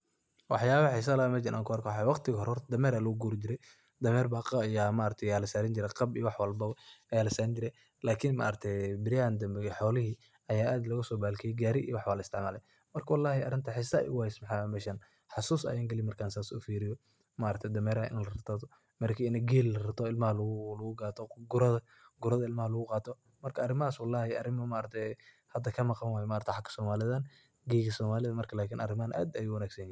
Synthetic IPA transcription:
wɑħjaːβɐħɪs̬ɐlamɛt͡ʃɪnʔa̰ːŋkʰɔhɔrkʰwħawɑqt̪ʰɪɣɐhɔɾhɔrd̪ɐmɛːɾaːlʊɣʊɡuːɾɪd͡ʒɪɾɛj | d̪ɐmɛːɾbaːqːjaːmaːɾɐt̪ʰɛjaːlɐsaːɾɪɲd͡ʒɪɾɛqɑbijwɑħwɑlbɐwɐjaːlɐsaːɾɪɲd͡ʒɪɾɛj | laːkʰɪnma̰ʔːɾɐt̪ʰɛjbɪɾjaːnd̪ɐmbɛħɔːlɪɦiː | ɐjaːʔaːd̪lɐɣʊsɔːbaːlkʰɛjɛɡaːɾɪʔḭjwɑħwɑlɪst̪ʰɪʕmaːlɛj | mɐrkʰɐwɑlːɑːhɪɐ̰ɾɪnt̪ʰɐħɪsɐ̰jʔʊ̰ɣʊhɛsmħamɛʃɐn | ħɑsuːsɐ̰jaːŋɡɐlɪmɐrkʰaːnsaːsʊ̰fiːɾɪjɔ | mɐʔɾɐk̚t̪ʰɛd̪ɐmɛːɾɐɐʔɪ̰nɛlɐɾɐt̪ʰaðɔ | mɐrkʰiːɪnɛɡɛːllɐrɐt̪ʰɔɪlmɐhlʊlɐɣʊɡɑːt̪ʰɔɡʊɾɐðɐ | ɡʊɾɐðɐɪlmɐhɐlɐɣʊqɑːt̪ʰɔ | mɐrkʰɐɐrɪmɐaːswɑlːɑːhɪɐrɪmɐmaɾɐt̪ʰɛ | hɐd̪ɐkʰɐmɑqɑnwaːjɛmaːɾɐkt̪ʰjħakʰːɐ̥sɔːmaːlɪðɐn | ɡɛːɡɐsɔːmaːlɪðɐmɐrkʰɐlaːkʰɪːnʔɐ̰rɪmɐnʔa̰ːd̪ɐjuːwɐnaːɡsɐnjɪh

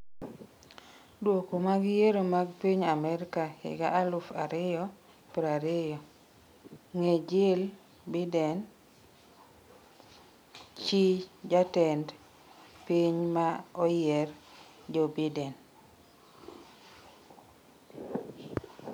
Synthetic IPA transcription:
dwokomaɡɪjeɾomaɡpiɲamɛɾkahɪ̰ɡaʔalʊfaɾɪjɔ | pɾaɾɪjɔ | ŋed͡ʒɪl | bidɛn | t͡ʃid͡ʒatɛnd | piɲmaɔjɛr | d͡ʒɔbidɛn

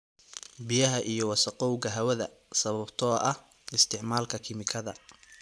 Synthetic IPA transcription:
bɪjɐɦɐʔijɞwɑsɐqɔwɣɐɦɐwɐðɐ | sɐβɐbt̪ʰɔːʔɐh | ɪst̪ʰɪʕmaːlkʰɐkʰɪmɪkʰɐðɐ̰

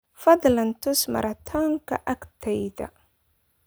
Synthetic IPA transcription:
fɐd̪lɐnt̪ʊsmɑ̰ɾɑt̪ʰɔːŋkʰɐʔɐkt̪ʰɛjðɐ̰

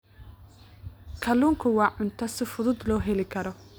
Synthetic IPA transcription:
kʰɐluːŋkʰʊwɑːʕʊnt̪ʰɐsɪfʊðʊd̪lɔːɦɛlɪkʰɐɾɔ

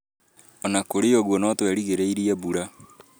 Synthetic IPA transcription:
ɔnakoɾeɔɣwɔnɔtwɛɾiɣeɾeiɾiɛβuɾa

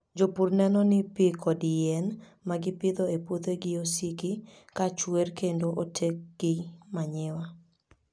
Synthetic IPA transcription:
d͡ʒopurnɛnɔnɪpɪkɔdɪɛn | maɡɪpɪd̪ɔepwot̪eɡɪosikɪ | kat͡ʃwerkendoʔotʰek̚ɡ̥ɪmaɲɪwa

